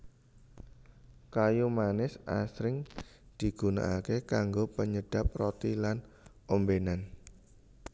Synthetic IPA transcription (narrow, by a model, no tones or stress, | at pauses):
kajumanɪsa̰sɾɪŋd̪̥i̤ɡ̥una̰ʔakekaŋɡopəɲəɖ̥a̤p̚rɔt̪ilan | ombenan